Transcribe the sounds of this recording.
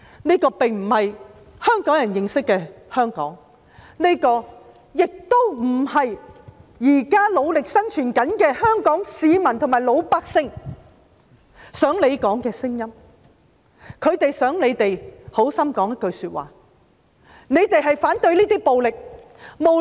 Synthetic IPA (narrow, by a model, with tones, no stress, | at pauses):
niː˥kɔː˧pɪ˨˩ŋm̩˨˩hɐ˨j | hœː˥ŋkɔː˨˥ŋjɐ˨˩njɪ˨˧ŋsɪ˥kːɛː˧hœː˥ŋkɔ̰ː˨˥ŋ | ne˥kɔː˧ | jɪ˨k̚t̪o˥wm̩˨˩hɐ˨jjiː˨˩kaː˥lo˨˧wlɪ˨k̚sɐ˥nt͡ʃʰyː˨˩nkɐ˨˥nkɛː˧hœː˥ŋkɔː˨˥ŋsiː˨˧mɐ˨˩nt̪ʰo˨˩maː˨˩jlo˨˧wpaː˧k̚sɪ˥ŋ | sœː˨˥ŋle˨˧jkɔː˨˥ŋkɛː˧sɪ˥ŋjɐ˥m | kʰɵ˨˧ɥt̪e˨jsœː˨˥ŋle˨˧jt̪e˨jho˨˥wsɐ˥mkɔː˨˥ŋjɐ˥t̚kɵ˧ɥsyː˧t̚wa̰ː˨ | ne˨˧jt̪e˨jɦɐ˨jfaː˨˥nt̪ɵ˧ɥliː˥t̪iː˥po˨wlɪ˨k̚ | mo˨